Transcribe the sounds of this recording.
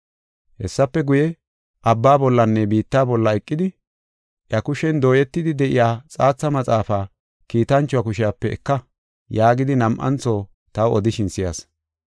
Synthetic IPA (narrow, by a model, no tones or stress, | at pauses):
hɛ̰sːɐpːɛɡʊjɛ | ʔɐbːaːbɔlːɐnːɛbiːt̪ːaːbɔlːɐɛkʼːɪd̪ɪ | ʔjɐkʊʃɛnd̪o̞ːjɛt̪ːɪd̪ɪd̪ɛʔɪjaːt͡sʼaːt͡sːɐmɐt͡sʼaːfaː | kiːt̪ɐnt͡ʃːʊakʊʃɪjapːɛɛkːɐ | jaːɡɪd̪ɪnɐmʔɐ̰nt͡soː | t̪ɐwɔd̪ɪʃɪnsɪja̰s